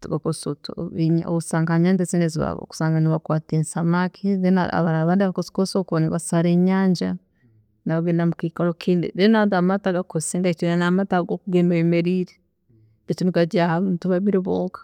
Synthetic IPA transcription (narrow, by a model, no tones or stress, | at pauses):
tuɡakosotuɲo̰usaːŋɡaaɲaːnd͡ʒezineziβa̰βo̰ku̥saːŋɡaniβakwaːteːnsamakʰiðena̰a̰βaɾaβaːndβakosi̥kosokoniβasaɾeːɲaːɲd͡ʒa | naβaɡeːnamukikalokʰiːndidenadamataɡakosenaitinanamataɡokuɡemeemeɾiːɾe̥ | etunikaɟahaβutuβaβiɾiβoːŋkḁ